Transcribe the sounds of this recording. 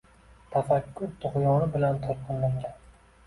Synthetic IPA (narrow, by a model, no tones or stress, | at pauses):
t̪ʰafakʲʰːʊɾt̪ʰʊχjɒnɪbɪlant̪ʰɒɾqʰɨnlaɾɡʲan